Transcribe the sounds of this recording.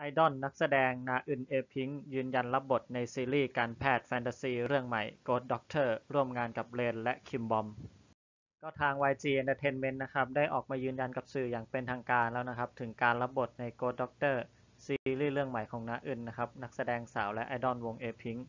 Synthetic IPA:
ʔa˧jdɔ˥˩nːa˦˥k̚sa˧dɛː˧ŋnaː˧˥ʔɯ˨˩nʔeː˧pʰi˦˥ŋjɯː˧nja˧nla˦˥p̚bo˨˩t̪̚na˧jsiː˧liː˥˩kaː˧npʰɛː˥˩t̪̚fɛː˧nt̪aː˧siː˧˩ɾɯ˥˩əŋma˨˩jkoː˦˥t̪̚dɔ˦˥k̚t̪ʰɤː˥˩ɾu˥˩əmŋaː˧nka˨˩p̚leː˧nlɛ˦˥ʔkʰi˧mbɔ˧m | kɔ˥˩t̪ʰaː˧ŋwaː˧jt͡ɕiː˧ʔe˧nt̪a˧t̪ʰe˧˥nme˦˥nːa˦˥kʰa˦˥p̚daː˥˩jʔɔ̰ː˨˩k̚maː˧jɯː˧nja˧nka˨˩p̚sɯː˨˩jaː˨˩ŋpe˧nt̪ʰaː˧ŋkaː˧nlɛː˦˥wna˦˥kʰa˦˥p̚t̪ʰɯ˩˦ŋkaː˧nla˦˧˥p̚bo˨˩t̪̚na˧jkoː˦˥t̪̚dɔ˦˥k̚t̪ɤː˥˩ | siː˧ɾiː˥˩ɾɯ˥˩əŋma˨˩˦jkʰɔː˩˦ŋnaː˧˥ʔɯ˨˩nːa˦˥kʰa˦˥p̚na˦˥k̚sa˧dɛː˧ŋsaː˩˦wlɛ˦˥ʔa˧jdɔ˥˩nwo˧ŋʔeː˧pʰi˦˥ŋ

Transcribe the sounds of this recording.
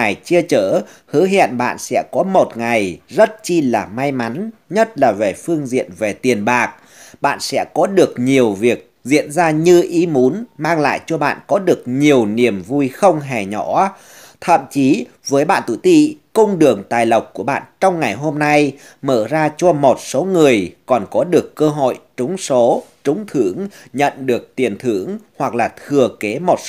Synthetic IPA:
a˨˩jt͡ɕi˧ət͡ɕəː˧˩ | hɨ˨˦ɦḭ˧˨ənɓa̰ː˧˨nsɛ̰˧˥kɔ˨˦mo˨˩t̚ŋa˨˩jzə˦˥t̚t͡ɕi˧laː˨˩ma˧jma˨˦nɲə˦˥t̚laː˨˩ve˨˩fɨ˧əŋzḭ˧˨ənve˨˩t̪i˨˩ənɓaː˨˩k̚ | ɓa̰ː˧˨nsɛ̰˧˥kɔ˨˦ɗɨ˨˩ək̚ɲi˨˩əwvi˨˩ək̚zḭ˧˨ənzaː˧ɲɨ˧ʔi˨˦mu˨˦nmaː˧ŋla̰ː˧˨jt͡ɕɔ˧ɓa̰ː˧˨nkɔ˨˦ɗɨ˨˩ək̚ɲi˨˩əwni˨˩əmvu˧jxə˧wŋ͡mɦɛ˨˩ɲɔ˧˩˥ | t̪ʰə̰˧˨mt͡ɕi˨˦ | vəː˨˦jɓa̰ː˧˨nt̪ṵ˧˩˨t̪ḭ˧˨kə˧wŋ͡mɗɨ˨˩əŋt̪aː˨˩jlə˨˩wk͡p̚kːu˧˩əɓa̰ː˧˨nt͡ɕɔ˧wŋ͡mŋa˨˩jɦo˧mna˧j | məː˧˩zaː˧t͡ɕɔ˧mo˨˩t̚so˨˦ŋɨ˨˩əjkɔ˨˩nkɔ˨˦ɗɨ˨˩əkːəː˧ɦo̰˧˨jt͡ɕʊ˨˦ŋ͡mso˨˦t͡ɕʊ˨˦ŋ͡mt̪ʰɨ˧˩əŋɲə̰˧˨nɗɨ˨˩ək̚t̪i˨˩ənt̪ʰɨ˧˩əŋhwa˨˩k̚laː˨˩t̪ʰɨ˨˩əke˨˦mo˨˩t̚

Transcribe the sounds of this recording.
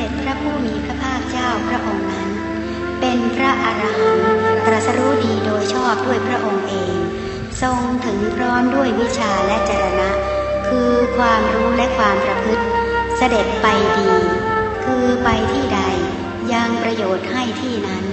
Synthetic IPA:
ade˨˩t̪̚pʰɾa˦˥pʰuː˥˩miː˧pʰɾa˦˥pʰaː˥˩k̚t͡ɕaː˥˩wpʰɾa˦˥ʔo˧ŋna˦˥n | pe˧npʰɾa˦˥ʔa˧ɾa˧ɦa˩˦np̪ɾa˨˩t̪sa˧ɾu˦˥diː˧doː˧jt͡ɕʰɔː˥˩p̚du˥˩əjpʰɾa˦˥ʔo˧ŋʔeː˧ŋ | so˧ŋt̪ʰɯ˩˦ŋpʰɾɔː˦˥mdu˥˩əjwi˦˥t͡ɕʰaː˧lɛ˦˥t͡ɕaː˧˩ɾa˧na˦˥ | kʰɯː˧kʰwaː˧mɾuː˦˥lɛ˦˥kʰwaː˧mpɾa˧pʰɯ˦˥t̪̚sa˧de˨˩t̪̚pa˧jdiː˧kʰɯː˧pa˧jt̪ʰiː˥˩da˧j | ja˧ŋpɾa˧joː˨˩t̪̚ha˥˩jt̪ʰiː˥˩na˦˥n

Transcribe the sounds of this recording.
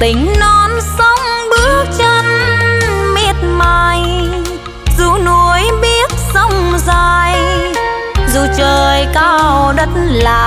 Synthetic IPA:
t̪ï˨˦ŋ̟nɔ˨˦nsə˧wŋ͡mɓɨ˦˥ək̚t͡ɕə˧n | mi˧˩ət̚maː˧j | zu˧˦nu˧əjɓi˦˥ət̚sə˧wŋ͡mzaː˧˩j | zu˨˩t͡ɕəː˨˩jkaː˧wwɗə˦˥t̚nlaː˨˩

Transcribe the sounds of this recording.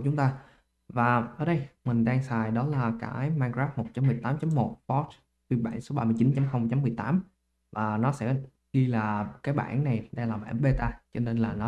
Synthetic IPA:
t͡ɕʊ˨˦ŋ͡mt̪aː˧ | vaː˨˩ʔə̰ː˨˧˦ɗə˧jmï˨˩ŋ̟ɗaː˧ŋsaː˨˩jɗɔ˨˦laː˨˩kaː˧˩jmaː˧nkzaː˦˥p̚mo˨˩t̚t͡ɕa˨˦mːɨ˨˩əjt̪aː˨˦mt͡ɕa˨˦mːo˨˩t̚pɔ˦˥t͡ɕ | t̪wi˧ɓa̰ː˧˩nso˨˦ɓaː˧mɨ˧ət͡ɕi˨˦nt͡ɕa˨˦mxə˧wŋ͡mt͡ɕa˨˦mːɨ˨˩əjt̪aː˨˦m | vaː˨˩nɔ˨˦sɛ̰˧˥ | ɣi˧laː˨˩kaː˨˦jɓa̰ː˧˩˨nːa˨˩jɗə˧jlaː˨˩ɓa̰ː˧˩nɓe˧t̪aː˧t͡ɕɔ˧ne˧nlaː˨˩nɔ˨˦

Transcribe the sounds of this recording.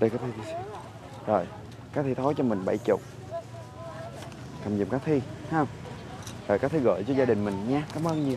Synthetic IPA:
ɗə˧jkaː˨˦˥t̪ʰi˧t̪ʰi˧sa˧˦ | zo˨˩j | kaː˦˥k̚t̪ʰi˧t̪ʰo˨˦jt͡ɕɔ˧mï˨˩ŋ̟ɓa̰˧˩jt͡ɕʊ˨˩k͡p̚ | ka˨˧˩mzḭ˧˨mkaː˨˦˥kt̪ʰi˧hwŋ͡m | zə̰ː˨˩kaː˦˥kt̪ʰi˧ɣə̰ː˧˨jt͡ɕɔ˧zaː˧ɗï˨˩ŋ̟mï˨˩ŋ̟ɲaː˧kaː˨˦mʔəː˧nɲɨ˧

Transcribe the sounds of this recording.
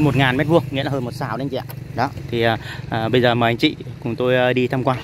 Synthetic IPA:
jmo˨˩t̚ŋaː˨˩nmɛ˦˥t̚vu˧əŋŋḭ˧˥laː˨˩hə˧jmo˨˩t̚saː˧˦wɗe˧ŋt͡ɕɛ̰˧˨ʔɗɔ˨˦t̪ʰi˨˩ʔəː˨˩ʔəː˨˩ɓə˧jzəː˨˩məː˨˩ʔa˧ŋ̟t͡ɕḭ˧˨kʊ˨˩ŋ͡mt̪o˧jːɗi˧t̪ʰaː˧mkwaː˧n

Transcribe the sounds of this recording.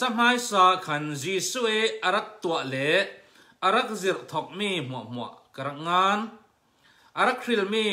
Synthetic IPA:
t͡sɐ˦m̥aː˦jsaː˧kʰɐ˨nziː˨su˦ʔi˦ʔɐ˨ɾɐ˦˥k̚t̪uɐʔlɛ˨˦ | ɐ˨ɾɐ˦k̚zi˨rt̪ʰɔ˨k̚miːm̥uɐ̰˨ʔm̥u˨ɐ̰ʔkɐɾɐ˦k̚ŋaː˦n | ʔɐ˨ɾɐ˦˥k̚ri˨lmiː

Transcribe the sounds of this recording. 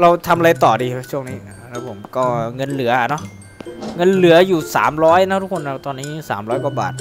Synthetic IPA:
ɾa˧wt̪ʰa˧mʔa˧ɾa˧jt̪ɔː˨˩diː˧t͡ɕʰu˥˩əŋniː˦˥ | lɛː˦˥wpʰo˩˦mkɔː˥˩ŋɤ˧nlɯ˩˦ɐʔa˨˩nɔ˦˥ | ŋɤ˧nlɯ˩˦ɐjuː˨˩sa̰ː˩˦mɾɔː˦˥jna˦˥t̪ʰu˦˥kʰo˧nʔa˨˧˩t̪ɔː˧nːiː˦˥sa̰ː˩˦mɾɔː˦˥jkwa˧˩ba̰ː˨˩t̪̚

